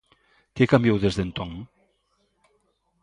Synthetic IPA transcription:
kekambjewðezðent̪oŋ

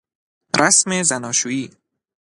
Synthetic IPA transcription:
ɾʔasmezænɒːʃuːiː

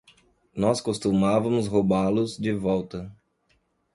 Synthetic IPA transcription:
nɔskost̪umavɐmʊsɦobalʊzd͡ʒɪvɔwt̪ɐ

